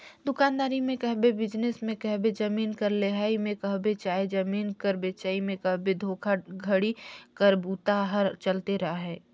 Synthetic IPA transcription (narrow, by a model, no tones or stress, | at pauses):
d̪ʊkaːnd̪aːɾimẽkɛɦbebɪd͡ʒnesmẽkɛɦbed͡ʒɐmiːnkɐɾleɦaːimẽkɐɦbet͡ʃaːed͡ʒɐmiːnkəɾbet͡ʃaːimẽkɐɦbed̪ʱoːkʰaɡʱəɽikəɾbuːt̪aɦɐɾt͡ʃɐlt̪eɾɐɦaɦɛː